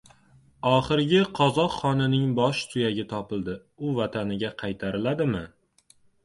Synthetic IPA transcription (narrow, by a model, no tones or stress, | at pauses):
ɒχɨɾɡʲɪqʰɒzɒqχɒnɪnɪŋbɒʃt̪ʰʊjaɡʲɪt̪ʰɒpɪld̪ɪ | ʊvat̪ʰanɪɡʲaqʰɑjt̪ʰaɾɪlad̪ɪmɪ